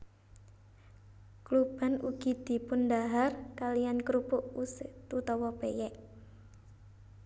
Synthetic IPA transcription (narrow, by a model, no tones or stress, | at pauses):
klub̥a̤nṵɡ̥i̤d̪̥i̤pʊnd̪aɦarkalijankɾupʊʔusɪt̪ut̪ɔwɔpejɛʔ